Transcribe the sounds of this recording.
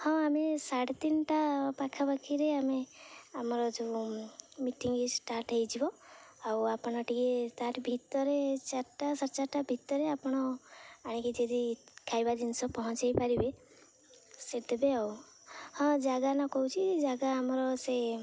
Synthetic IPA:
hɔ̃amesaɽt̪inʈapakʰabakʰiɾeameamɔɾɔd͡ʒe | miʈiŋesʈaɾʈɦejd͡ʒibɔawapɔɽ̃ɔʈiket̪aɾbʱit̪ɔɾet͡ʃaɾʈasaɾt͡ʃaɾʈabʱit̪ɔɾeapɔɽ̃ɔaɽ̃ĩkid͡ʒed̪ikʰajbad̪insɔpɔɦɔ̃t͡ʃajpaɾibe | sed̪ebeaw | hɔ̃d͡ʒaɡanɔkɔɦut͡ʃʰid͡ʒaɡaːmɔɾɔse

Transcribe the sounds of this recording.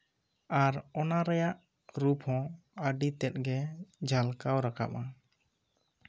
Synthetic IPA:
aɾɔnaɾɛjaʔ | ɾupɦɔ̃aɖit̪ɛt̪̚ɡɛd͡ʒʱalkawɾaka̰pa

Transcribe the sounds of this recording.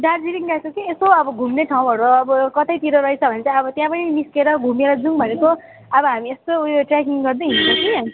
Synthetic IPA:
ɖaɾd͡ziɾiŋɡakokiesoʌbʌɡʱumneʈʰaw̃ɦʌɾuʌbʌkʌt̪ʌjt̪iɾoɾʌit͡sʰʌbʱʌnet͡sãʌbʌt̪jãpʌniniskeɾʌɡʱumeɾʌd͡zuŋbʱʌneko | ʌbʌɦamiest̪ooʈrakiŋɡʌrd̪eɦint͡sʰʌkʰi

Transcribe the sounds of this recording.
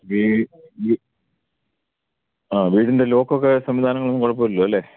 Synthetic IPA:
ʋii | aːʋiːɽinde̞lo̞ːkːokːesɐmʋid̪ʱaːnɐŋːɐɭonːɨkoɻɐp̬ːoːɾilːoːɐlːe̞ː

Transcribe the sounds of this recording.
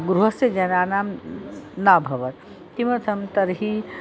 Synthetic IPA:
ɡɾuɦəsed͡ʒənanam | nabʱəbət̪ | t̪imət̪ʰəmt̪əɾɦi

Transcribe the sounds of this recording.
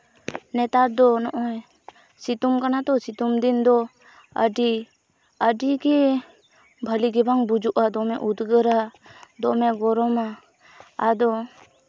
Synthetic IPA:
nɛt̪aɾd̪ɔnɔʔɔj | sit̪umkanat̪ɔsit̪umd̪ind̪ɔ | ə̰ɖi | əɖiɡɛ | bʱəliɡɛbaŋbud͡ʒuʔad̪ɔmɛʔud̪ɡəɾad̪ɔmɛɡɔɾɔmaː | d̪ɔ

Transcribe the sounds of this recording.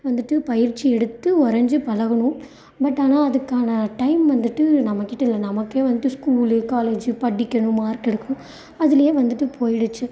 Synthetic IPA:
ʋɐnd̪ɯʈːɯpɐjɪɾt͡ʃːiɛɽɯt̪ːɯɔɾɐɲd͡ʒɯpɐlɐɣɐɳʊ̃ | bɐʈːaːnaːɐðɯkːaːnɐʈɐɪmʋɐnd̪ɯʈːɯnɐmɐkːɪʈːɐɪlːɐnɐmɐkːeːʋɐnd̪ɯʈːɯskuːlɯkaːleːd͡ʒɯpɐʈːɪkʲːɐɳɯ̃maːɾkɛɽɯkːʊ̃ | ɐðɪlɐjeːʋɐnd̪ɯʈːɯpʰoːjɪɽɯt͡ʃːɯ

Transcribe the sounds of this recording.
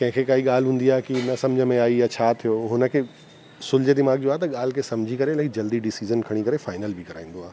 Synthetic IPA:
kɐ̃ɦɪ̃kʰekaːiɠaːl̤ɦũːn̆d̪iaːekinɐsɐ̃md͡ʑʱəmẽaːijat͡ɕʰaːt̪ʰijoːɦʊnə̆kʰeː | sʊld͡ʑed̪ɪmaːɡd͡ʑoːaːɦet̪ɐɠaːl̤kʰesɐmd͡ʑʱikɐɾelɐɪkd͡ʑɐld̪iɖɪsiːzənkʰɐɽ̃ikɐɾefaːɪnəlbɪkɐɾaːĩːn̆d̪oaːɦe

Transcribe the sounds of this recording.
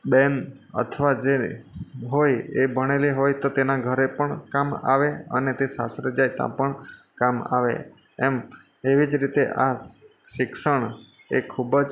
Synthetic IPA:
ɓen | ə̰t̪ʰəʋad͡ʒe | ɦojebʱəɽ̃eliɦojt̪ot̪enaɡʱəɾepəɳkama̰ʋeə̰net̪esasɾed͡ʒajt̪ã̰pəɳ | kama̰ʋḛ | ɛm | eʋid͡ʒɾit̪eʔa | ʃɪkʃəɳ | ekʰubd͡ʒ

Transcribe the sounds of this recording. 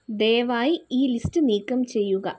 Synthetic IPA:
d̪eːʋaːjiiːlistɨniːkːɐmt͡ɕe̞jːuɣɐ̰

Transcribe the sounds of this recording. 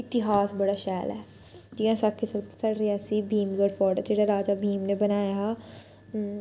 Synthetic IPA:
ɪt̪ɪɦaːsbəɽaːʃɛːlɛː | d͡ʒ̪ijãːsakʰːɪsəsəɽɾiaːsibʱiːmɡəɽpɔːɾɖəd͡ʒeːɽaːɾaːd͡ʒaːbʱiːmneːbənaːja

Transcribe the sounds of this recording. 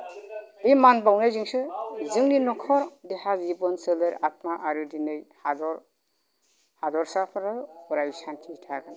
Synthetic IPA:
dimanbawnajzɯŋsɯzɯŋninɔkʰɔɾdehazibɔnselɯɾat̚maʔaɾɯdinɯjhadɔɾ | hadɔɾsapʰɾɯuɾajsantʰitʰaɡɯn

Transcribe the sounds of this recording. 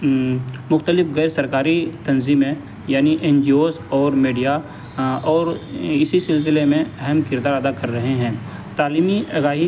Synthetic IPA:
mʊxt̪əlɪfɣɛːɾsɐɾkaːɾit̪ɐ̃nziːmẽ | jaːniʔẽːnd͡ʒioːzɔːɾmeːɖija | ɔːɾɪsisɪls̬ɪlemẽɛɦɛmkɪɾd̪aːɾɐd̪akɐɾːɐɦeɦɛ̃ːt̪aːliːmiɐɡaːɦi

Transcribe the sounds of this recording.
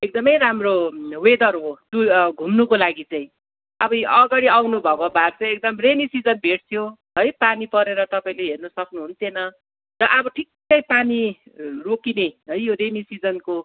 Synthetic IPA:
ek̚d̪ʌmʌjɾamrowed̪ʌrɦot̪uɡʱumnukolaɡit͡saĩ | ʌbʌjʌɡaɽiawnubʱʌkobart͡saĩek̚d̪ʌmremisid͡zʌnbʱeʈ̚t̪ʰjoɦʌjpanipʌɾeɾʌt̪ʌpaĩleɦernʌsʌknuɦunt̪ʰenʌ | tʌʔʌbʌʈʰik̚t͡sʌj̃panirokineɦʌjjoɾemisid͡zʌnko

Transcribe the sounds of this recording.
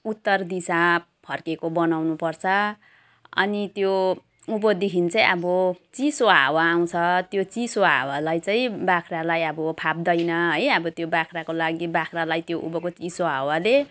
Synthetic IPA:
ut̪ːʌrd̪isa | pʰʌrkekobʌnawnupʌrt͡sʰʌ | ʌ̰nit̪jo | ubʌd̪ikʰint͡sʌĩʌbʌt͡sisoɦa̰waːw̃t͡sʰʌt̪jot͡sisoɦa̰walajt͡sʌĩbakʰralajʌbʌpʰap̚d̪ʌjnʌɦʌjʌbʌt̪jobakʰrakolaɡibakʰralajt̪joʔṵbʌkot͡sisoɦawale

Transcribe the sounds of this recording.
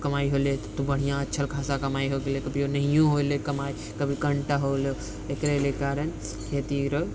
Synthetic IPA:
kəmaiɦolet̪obəɽ̤ijãətːʃʰəlkʰasakəmaiɦoɡelekəbʱionəɦijõɦolekəmai | kəbʱikəɳʈaɦole | ekɾelekaɾən | ɦet̪iɾə

